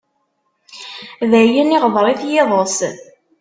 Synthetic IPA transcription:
ðæjəniʁðɾˤiθjɪðˤos

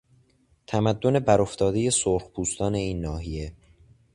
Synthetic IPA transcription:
t̪ʰæmæd̪ːo̞ne̞bæɾo̞ft̪ʰɒːd̪e̞je̞soɾxpʰuːst̪ɒːne̞iːnːɒːɦije̞

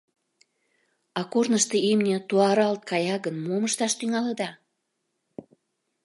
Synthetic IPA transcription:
ɑkornəʃt̪eimnʲĕt̪uɑɾɑlt̪̚kɑjɑɣənmoməʃt̪ɑʃt̪yŋɑləd̪ɑ

